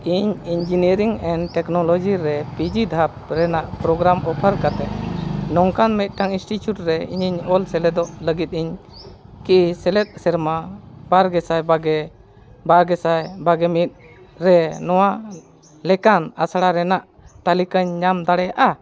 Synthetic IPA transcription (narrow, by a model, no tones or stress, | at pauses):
iɲiɲd͡ʒiniəɾiŋɛnʈɛknɔlɔd͡ʒiɾɛpid͡ʒid̪ʱap̚ɾɛnaʔpɾɔɡɾamɔpʰəɾkat̪ɛʔ̪nɔŋkanmɛt̪̚ˀʈaŋĩnsʈit͡ʃuʈɾɛiɲiɲɔlsɛlɛd̪ɔʔləɡit̪̚ˀiɲ | kiʔisɛlɛt̪̚sɛɾmabaɾɡɛsajbaɡɛ | baɾɡɛsajbaɡɛmit̪̚ | ɾɛnɔwa | lɛkanasɽaɾɛnaʔ | t̪alikəɲːamd̪aɽɛjaʔa